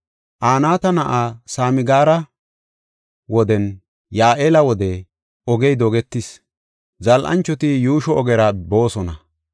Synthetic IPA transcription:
ʔaːnaːt̪ɐnɐʔaːsaːmɪɡaːɾɐ | wɔd̪ɛn | jaːʔeːlɐwɔd̪ɛ | ɔɡɛjd̪ɔɡɛt̪ːɪs | zɐlʔɐ̰nt͡ʃːɔt̪ɪjuːʃɔɔɡɛɾɐbo̞ːsɔnɐ

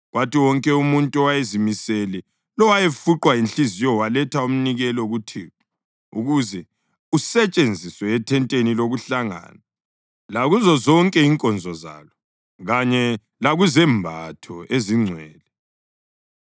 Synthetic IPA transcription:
ɣwatiwɔŋkʼɛumuntʼuɔwajezimisɛlɛ | lɔwajefuǃwainɬizijɔwalɛtʰaum̩niɣɛlɔɣutʰiːɔ | uɣuzɛ | usɛt͡ʃʼend͡zʱiswɛːtʰɛntʼeniloɣuɬaŋa̰ːna | laɣuzɔzɔŋkʼɛiŋkʼɔnd͡zʱɔza̰ːlɔ | ɣaɲɛ | laɣuzɛmbʱatʰɔeziŋ͡ǀʱwɛːlɛ

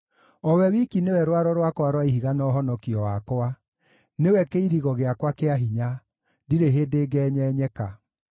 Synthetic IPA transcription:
ɔwɛwikinewɛɾwaɾɔɾwakowaɾwaiɦiɣanɔɦɔnɔkiɔwakoa | newɛkeiɾiɣɔɣeakwakeaɦiɲa | diɾeɦeːdeːɡɛːɲɛːɲɛka

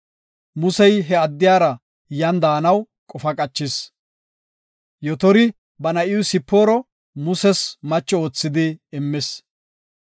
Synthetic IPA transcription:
mʊsɛjɦɛɐd̪ːɪjaːɾɐ | jɐnd̪aːnɐw | kʼɔfɐkʼɐt͡ʃːɪs | jɔt̪ɔɾɪ | bɐnɐʔɪwʊsɪpːoːɾɔ | mʊsɛsmɐt͡ʃːɔoːt͡sːɪd̪ɪːmːɪs

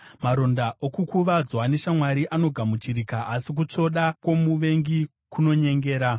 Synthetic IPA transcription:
maɾo̞ndaʔokukuʋad͡zwane̞ʃamwaɾiʔano̞ɡʱamut͡ʃiɾikaasik̬ut͡ʂo̞ɗakwo̞muʋe̞ŋɡi | kuno̞ɲe̞ŋɡe̞ːɾa

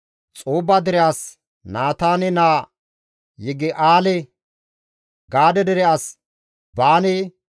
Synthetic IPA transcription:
t͡sʼoːbɐd̪ɛɾɛʔɐs | naːt̪aːnɛnaː | jɛɡɪʔaːlɛ | ɡaːd̪ɛd̪ɛɾɛʔɐs | baːnɛ

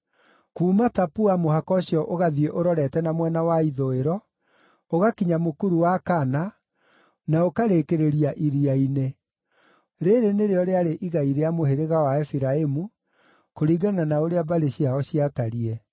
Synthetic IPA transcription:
kuːmatapuamohakɔɕjɔʔoɣaðieʔoɾɔɾɛtɛnamwɛnawaiðoeɾɔ | oɣakiɲamokuɾuwakana | naokaɾekeɾeɾiaʔiɾiaine | ɾeɾeneɾeɔɾeaɾeʔiɣaiɾeamoheɾeɣawaɛfiɾaemu | koɾiːɡananaoɾeabaɾeɕiaɔɕiataɾiɛ

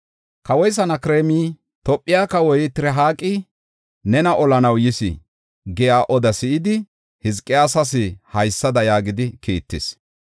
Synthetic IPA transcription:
kɐwɔjs̬ɐnɐkɾeːmiː | t̪ɔpʼːɪjaːkɐwɔjt̪ɪɾɛɦaːkʼːɪ | nɛnɐʔɔlɐnɐwjɪsɪ̰ | ɡɛjaːʔɔd̪ɐsɪʔɪd̪ɪ | hɪzkʼːɪjaːsɐs̬ɪhɐjsːɐd̪ɐjaːɡɪd̪ɪkiːt̪ːɪ̰s

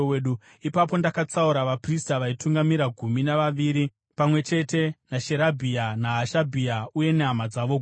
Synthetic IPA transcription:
ɗu | ipapo̞ndakat͡sauɾaʋapristaʋaituŋɡamiɾaɡʱuminaʋaʋiːɾi | pamwe̞t͡ʃe̞te̞naʃe̞ɾabʱianaɦaʃabʱiauje̞neɦamad͡zaʋo

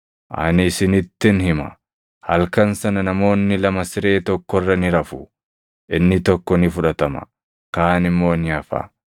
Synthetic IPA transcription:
ʔɐ̰nɪsɪnɪt̪ːɪnɦɪmɐ̰ | hɐlkɐnsɐnɐnɐmo̞ːnːɪlɐmɐsɪɾe̞ːt̪ɔkːɔrːɐnɪɾɐfʊ | ʔɪnːɪt̪ɔkːɔnɪfʊᶑɐt̪ɐmɐ̰ | kaːnɪmːo̞ːnɪɐfa̰ː

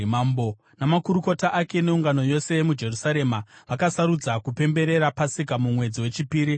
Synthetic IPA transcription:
ambo | namakuɾuko̞taʔake̞ne̞uŋɡano̞jo̞se̞mud͡ʒe̞rusaɾe̞maʋakasaɾud͡zakupe̞mbe̞ɾe̞ɾapasikamumwe̞d͡ziwe̞t͡ʃipiːɾi

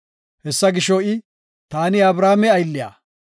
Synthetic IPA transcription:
hɛsːɐɡɪʃɔɪ | t̪aːnɪɐbɾaːmɛɐjlːɪja̰ː

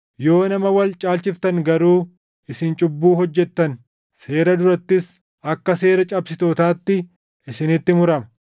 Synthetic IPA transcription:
jo̞ːnɐmɐwɐlt͡ʃʼaːlt͡ʃɪft̪ɐŋɡɐɾuː | ʔɪsɪnt͡ʃʼʊbːuːɦɔd͡ʒːɛt̪ːɐn | se̞ːɾɐd̪ʊɾɐt̪ːɪs | ʔɐkːɐse̞ːɾɐt͡ʃʼɐbsɪt̪oːt̪aːt̪ːɪ | ɪsɪnɪt̪ːɪmʊɾɐmɐ̥

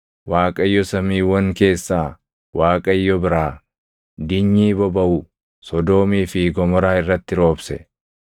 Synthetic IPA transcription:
waːkʼɐjːɔsɐmiːwɐŋke̞ːsːaː | waːkʼɐjːɔbɪɾaː | d̪ɪɲːiːbɔbɐʔʊ | sɔd̪o̞ːmiːfɪɡɔmɔɾaːɪrːɐt̪ːɪɾo̞ːbsɛ

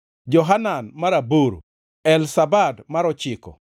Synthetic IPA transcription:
d͡ʒɔɦananmaɾaboɾo̰ | ɛlsabadmaɾɔt͡ʃɪkɔ̰

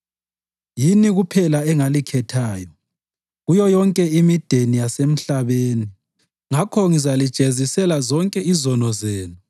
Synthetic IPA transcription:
jiniɣupʰɛlaɛŋalikʰɛtʰaːjɔ | ɣujɔjɔŋkʼɛimid̥ʱenijasem̩ɬaβeːni | ŋakʰɔŋizalid̥ʒ̥ʱezisɛlazɔŋkʼɛizɔnɔzɛːnu

